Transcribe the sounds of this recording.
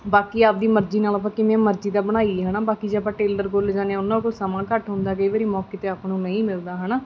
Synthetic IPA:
baːkiːaːp̚d̪iːməɾd͡ʒiːnaːləp̬ːãːkɪʋẽːməɾd͡ʒiːd̪aːbəɽ̃aːiɦənaːbaːkiːd͡ʒeəp̬ãːʈeːləɾɡold͡ʒaːnẽːʊnːãːkosəmãːkəʈɦʊ̃nd̪aːk̬əiːʋaːɾiːmɔːkeːt̪eːaːpnũːnə̃ĩːmɪld̪aːɦənaː

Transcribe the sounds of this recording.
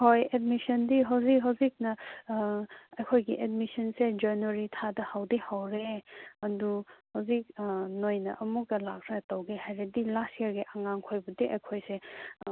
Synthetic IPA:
hojed̚misɐndiɦawzik̚ɦawzik̚nɐ | ɐjkʰojɡiʔedmisɐnsed͡ʒɐnoɾitʰadɐhawdihawɾeɐduhawzik̚nojnɐ̰ʔɐmuk̚ɐlakʰɾetɐwɡehajɾedilastijɐɾɡiʔaŋaŋkʰojbɐdiʔɐjkʰojse

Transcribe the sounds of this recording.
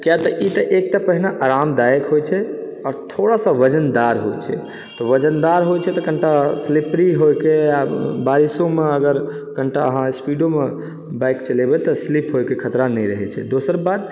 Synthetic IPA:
kjat̪ɔʔit̪ɔʔek̚ʈapəɦinaʔaɾamd̪ajəkɦojt͡ʃʰɛ | ɔːɾt̪ʰoɽasə̃ʋəd͡ʒənd̪aɾɦo̰t͡ʃʰɛ̰ | t̪ɔʋəd͡ʒənd̪aɾɦojt͡ʃʰɛt̪ɔkəɳʈaslipɾiɦojkeabaɾisõmeəɡəɾ | kəɳʈaəɦãspiɖome | bajkt͡ʃəlɛbɛt̪ɔslipʰɦojkekʰət̪ɾanɛjɾəɦɛ̰t͡ʃʰɛ̰d̪osəɾbad̪

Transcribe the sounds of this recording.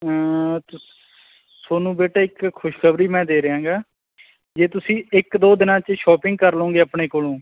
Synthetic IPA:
t̪ | soːnũːbeːʈaːɪkʰːʊʃkʰəbɾiːmɛ̃ːd̪eːɾəɦãːŋɡaː | d͡ʒeːt̪ʊsĩːɪkd̪oːd̪ɪnãːt͡ʃəʃɔːpɪŋɡ̚kəɾlõːŋɡeːapɳeːkoːlõː

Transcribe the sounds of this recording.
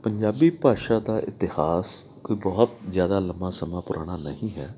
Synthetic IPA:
pəɲd͡ʒaːbiːpaːʃaːd̪aːʔɪt̪ɪhaːskoːiːbɔːʊt̪̚zjaːd̪aːləmãːsəmãːpʊɾʔaːɽ̃aːnəhĩːɦɛː

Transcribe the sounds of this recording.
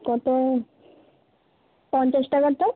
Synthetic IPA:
ɡɔt̪o | pɔnt͡ɕaʃʈakoɾt̪o

